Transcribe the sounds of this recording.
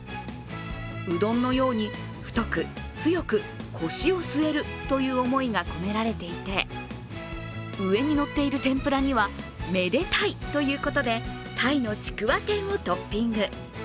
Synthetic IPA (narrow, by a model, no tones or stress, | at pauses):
ɯ̟d̪õ̞nːo̞jo̞ːɲ̟i | ɸɯ̟̥t̪o̞kɯ̟ | t͡sɨjo̞kɯ̟ | kʰo̞ɕio̞sɨe̞ɾɯ̟t̪o̞jɯ̟ːo̞mo̞iɡako̞me̞ɾaɾe̞t̪e̞it̪e̞ | ɯ̟e̞ɲ̟ino̞t̪ːe̞iɾɯ̟t̪ẽ̞mpɯ̟ɾaɲ̟iβa | me̞d̪e̞t̪ait̪o̞jɯ̟ːko̞t̪o̞d̪e̞ | t̪ʰaino̞t͡ɕi̥kɯ̟βat̪ẽ̞ɰ̃ot̪o̞pʲːĩŋɡɯ̟